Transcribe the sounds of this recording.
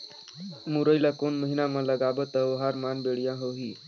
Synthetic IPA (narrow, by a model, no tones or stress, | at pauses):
muɾəjlakonməɦinamaləɡabət̪əʋəɦaɾmanbeɭjãɦoɦi